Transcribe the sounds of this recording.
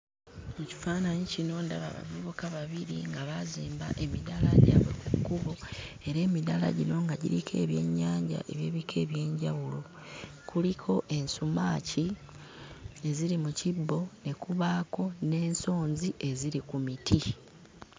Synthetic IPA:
muci̥faːnaɲicino̞ːndaβa̰βa̰vuβukaβaβiɾiŋɡaβaziːmba̰ʔe̞milala̰ɟa̰βokukuβo̞e̞ɾe̞ːmilala̰ɟino̞ŋɡaɟiɾikʰe̞̰ːβje̞̰ɲːaːɲɟa̰ʔe̞βje̞βikʰe̞ːβje̞ːɲɟawulo̞ | kulikʰo̞ʔe̞nsumaːci | e̞ziɾimucibːo̞ne̞kuβaːko̞ne̞ːnso̞ːnziʔe̞ziɾikumitʰi

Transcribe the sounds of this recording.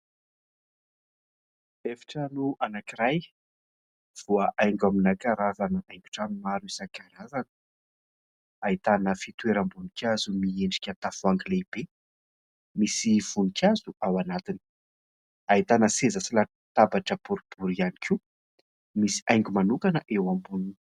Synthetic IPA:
efḁʈ͡ʂənuanakiɾaj | v̥uaʔajŋɡaminakaɾazanəʔajŋɡʲu̥ʈ͡ʂamimaɾisakaɾazan̥ | ait̪anəfit̪weɾəmbunikʲazumieɳɖ͡ʐi̥kʲat̪afuaŋɡilebe | misiv̥unikʰʲazuawanat̪ini̥ | ait̪anəsezəsila | t̪abaʈ͡ʂəpuɾib̥uɾianikʲu | misi̥ajŋɡʲumanukanəʔewambunun

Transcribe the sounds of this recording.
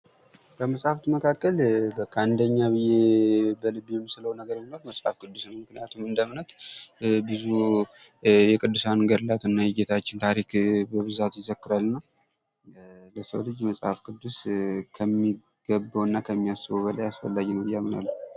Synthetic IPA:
kəməsʼhaft̪məkʰakːəlbəkʼand̪əɲːabɨjebəlɨbjɛmːɨsɨləwnəɡəɾɨnnəwməsʼha̰fkɨd̪ːusnəwmɨknijat̪ʰumɨnd̪əmnət̪bɨzu | jɛkʼɨd̪ːɨsanɡəɾlat̪ɨnːajɪjet̪ʰat͡ʃːɪnt̪ʰaɾikbəβɨzat̪jɪzəkːɨɾalːnːəw | ləsə̰wlɨd͡ʒməsʼhafkʰɨd̪ːuskʰəmːi | ɡ̥əbəwɨnːakʰəmːijasːɨβobəlajasfəlːaɡinəwbɨjːamɨna̰lːə

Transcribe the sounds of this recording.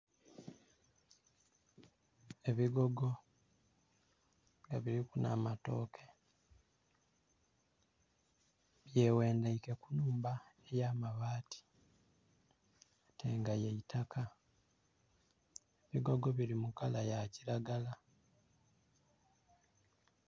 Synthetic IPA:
eβiɡo̞ɡo̞ | ŋɡaβiɾikuna̰ːmato̞ːkʰe | βjewe̞ːndaike̞kunuːmbaejaːmaβaːtʰi̥ | tʰe̞ŋɡajeitakʰa | eβiɡo̞ɡo̞βiɾimukalajaciɾaɡala

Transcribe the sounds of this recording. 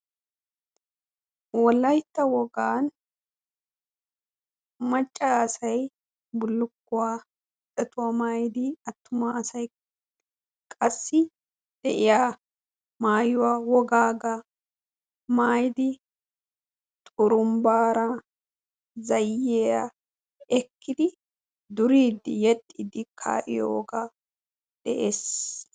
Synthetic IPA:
wɔlːɐjt̪ːɐwɔɡaːn | mɐt͡ʃʼːaːsɐj | bʊlːʊkːʊwaː | t̪ʼːɛt̪ʊwamaːjd̪ɪɐt̪ːʊmaːsɐj | kʼɐsːɪ | d̪̥ɛʔɪjaː | maːjʊwawɔɡaːɡɐ | maːjd̪ɪ | t̪ʼʊɾʊmbaːɾɐ | zɐjːeːja̰ | ɛkːɪd̪ɪ | d̪ʊɾiːd̪ːɪ̰jɛt̪ʼːiːd̪ɪkʰa̰ːʔɪ̰jo̰wɔɡa | d̪̥ɛʔeːs

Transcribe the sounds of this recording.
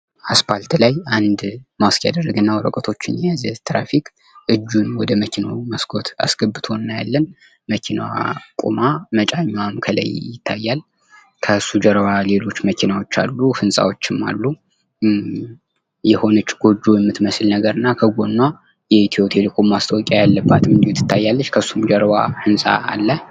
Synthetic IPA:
aspʰalt̪lajand̪maskʰja̰d̪ərːəɡɨnːawɔɾəkʼət̪ʰo̞t͡ʃːɪnjɛjazət̪ɾafikʼ | ʔɨd͡ʒːunwɔd̪əməkʰina̰wməsɡʰo̞t̪a̰sɡ̥əbːɨt̪ʰo̞nːaja̰lːən | məkʰina̰kʼṵmamət͡ʃʼaɲːwamkʰələ̰jjːɪt̪ʰːajːal | kʰəsːud͡ʒəɾwale̞lo̞t͡ʃːməkʰinawo̞t͡ʃːa̰lːuhɨnsʼa̰wot͡ʃːɪmːa̰lːu | jɛho̞nət͡ʃːɡ̥o̞d͡ʒːojɛmːɨt̪məslnəɡəɾɨnːakʰəɡo̞nːa | jɛit̪ʰio̞t̪ʰelɨkʷʰomːast̪ʰəwɔkʼajalːəbːat̪ɨmɨnd̪iut̪ʰːɨ̥t̪ʰːajːalːət͡ʃːkʰəsːumd͡ʒəɾwahɨnsʼa̰ːlːə

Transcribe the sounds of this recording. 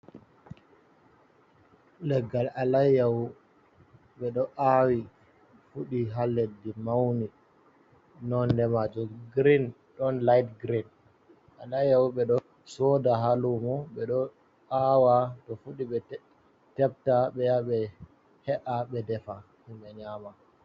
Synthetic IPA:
lɛɡːalalajaw | ɓɛɗɔʔawi | fuɗiɦalːedimawni | nɔndɛmad͡ʒɔɡɾin | ɗɔnlajtɡɾin | ʔalajawɓɛɗɔ | sɔdaɦalumɔɓɛɗɔ | awatɔfuɗiɓɛ | tɛp̚taɓɛjaɓɛ | hɛʔaɓɛdɛfa | himɓɛɲaːma

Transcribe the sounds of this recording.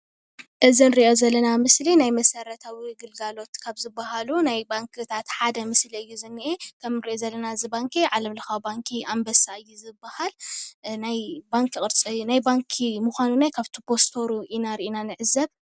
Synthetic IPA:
ʔɨzinɨɾiʔo̞zɐlːɐnamɨslinajmɐsɐɾɐt̪ʰawiɡɨlɡalo̞t̪kʰaβzɨbːaɦalunajbaŋkʰɨt̪ʰat̪ħad̪ɐmɨsliɨjːuzɨnːiʔekʰɐmnɨɾiʔozɐlːɐnazɨbaŋkʰiʕalɐmlɨxawbaŋkʰiʔambɐsaɨjːuzɨbːahalnajbaŋkʰikʼɨɾt͡sʼːunajbaŋkʰimuxʷanunajkʰaβt̪ʰupʰo̞st̪ʰo̞ɾuinaɾiʔinanɨʕɨzɐβ

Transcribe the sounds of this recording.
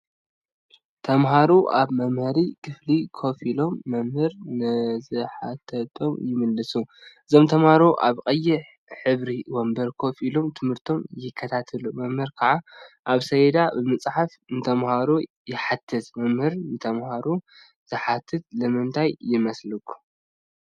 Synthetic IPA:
t̪ʰɐmɦaɾuʔaβmɐmhɨɾikʰɨflikʰo̞filo̞mːɐmhɨɾnɨzɨħat̪ʰɐt̪ʰo̞mjɪmɨlːɨsuʔɨzo̞mt̪ʰɐmhaɾuʔa̰βqʼɐjːɪħ | ħɨβɾiwombɐɾkʰo̞filomt̪ʰɨmhɨɾt̪ʰo̞mjɪkʰːɐt̪ʰat̪ʰɨlumɐmhɨɾkʰaʕaʔaβsɐjd̪abɨmɨt͡sʼħaf | nɨt̪ʰɐmhaɾu | jɪħat̪ʰːɨt̪mɐmhɨɾnɨt̪ʰɐmhaɾu | z̥ɨħat̪ʰːɨt̪̚lɨmɨnt̪ʰajːɪmɐslɨkʰːu̥

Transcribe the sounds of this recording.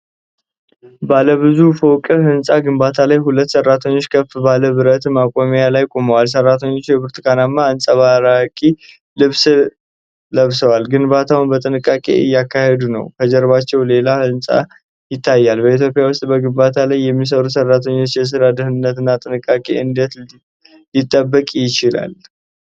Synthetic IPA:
baləβɨzufəwkʼəhɨnsʼaɡɨmbat̪ʰalajhulət̪ːsərːat̪ʰəɲːo̞t͡ʃːkʰəfbaləβɨɾət̪makʼomjalajkʼo̞məwals̬ərːat̪ʰəɲːo̞t͡ʃːjɛbɨɾt̪ʰɨkʰanamːaɨnsʼəβaɾakʼi | lɨβs | ləβsəwalɡɨnbat̪ʰawunbət̪ʼɨnɨkʼːakʼe̞̰ɨ̰jːakʰːahed̪unə̰wkʰəd͡ʒəɾβat͡ʃːɛwle̞laɨnsʼa̰ | jɪt̪ʰːajːalbəit̪̬ʰjo̞pʼɪjawʊst̪ʼbəɡɨmbat̪ʰalajːɛmːis̬əɾusərːat̪ʰəɲːo̞t͡ʃːjɛs̬ɨɾad̪əhɨnːət̪ɨnːat̪ʼɨnɨkʼːakʼe̞̰ɨnd̪ət̪ | jɪt̪ʼːəbːəkʼjɪt͡ʃɪla̰l

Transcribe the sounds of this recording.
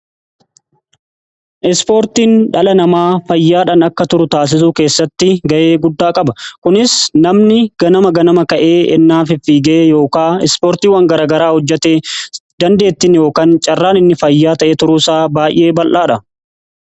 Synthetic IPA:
ʔɪspo̞ːɾt̪iːnᶑɐlɐnɐmaːfɐjːaːᶑɐnɐkːɐt̪ʊɾʊt̪aːs̬ɪs̬uːke̞ːsːɐt̪ːɪɡɐʔe̞ːɡʊd̪ːaːkʼɐbɐkʊnɪsnɐmnɪɡ̥ɐnɐmɐɡɐnɐmɐkɐʔe̞ːɛ̰nːaːfɪfiːɡeːjo̞ːkaːɛspoːɾt̪iːwɐŋɡɐɾaːɡɐɾaːhɔd͡ʒːɛt̪eːd̪̥ɐnd̪e̞ːt̪ːɪnjo̞ːkaːnt͡ʃʼɐrːaːnɪnːɪfɐjːaːt̪ɐʔeːt̪ʊɾuːsaːbaːjʔe̞ːbɐlʔaːᶑɐ

